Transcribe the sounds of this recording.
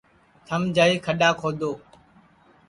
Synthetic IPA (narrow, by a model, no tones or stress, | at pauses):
t̪ʰəmd͡ʒaːiːkʰəɗaːkʰoːd̪ʱoː